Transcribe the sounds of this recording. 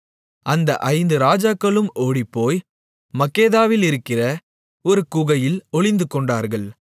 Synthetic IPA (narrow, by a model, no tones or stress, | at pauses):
ɐnd̪ɐ̰ʔɐɪnd̪ɯɾaːd͡ʒaːkːɐɭɯmoːɽipːoːj | mɐkːeːðaːʋɪlɪɾɯkːɪrɐ | ɔɾɯkʊɣɐjɪlɔɭɪnd̪ɯkɔɳɖaːɾɣɐɭ